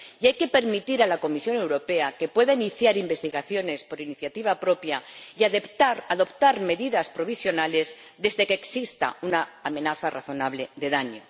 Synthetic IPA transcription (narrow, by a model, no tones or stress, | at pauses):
iajke̞pe̞ɾmit̪iɾalako̞misjo̞ne̞wɾo̞pe̞ake̞pwe̞ðainiθjaɾimbe̞st̪iɣaθjo̞ne̞spo̞ɾiniθjat̪iβ̞apɾo̞pjaiaðe̞pt̪aɾaðo̞pt̪aɾme̞ðiðaspɾo̞β̞isjo̞nale̞zðe̞zðe̞keːksist̪a̰unaamẽ̞naθara̰θo̞naβle̞ðe̞ðaɲo̞